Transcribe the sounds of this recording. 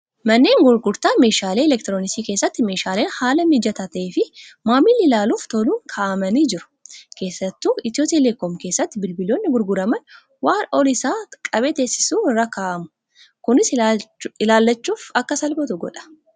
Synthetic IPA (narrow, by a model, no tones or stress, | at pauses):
mɐnːe̞ːŋɡʊɾɡʊɾt̪aːme̞ːʃaːleːɛlɛk̚t̪ɪɾoːnɪsiːke̞ːsːɐt̪ːɪme̞ːʃaːleːnhaːlɐmɪd͡ʒɐt̪ɐt̪ɐʔeːfɪmaːmɪlːɪlaːluːft̪ɔluːŋkʰaːʔɐmɐniːd͡ʒɪɾʊ̥kʰe̞ːsːɐt̪ːuːɪt̪ɪoːt̪ʼileːkːɔmkeːsːɐt̪ːɪbɪlbɪlːo̞ːnːɪɡʊɾɡʊɾɐmɐn | waːnɔlɪsaːkʼɐbe̞ːt̪e̞ːsɪ̥suːɪrːakaːʔɐmʊ̥ | kʊnɪs | ɪlaːlːɐt͡ʃːuːfɐkːɐsɐlbɐt̪ʊɡɔ̰ᶑɐ̥